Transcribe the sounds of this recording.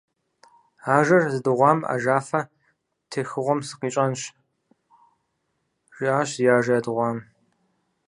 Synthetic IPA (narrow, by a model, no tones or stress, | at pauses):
aːʒɐrzɨdɨʁʷɑːma̰ʒaːfɐ | tʰexɨʁʷɔmsɨ̥qiːt͡ʃʼɐnɕ | ʒ̥iaːɕjaːʒɐjɐdɨʁʷɑːm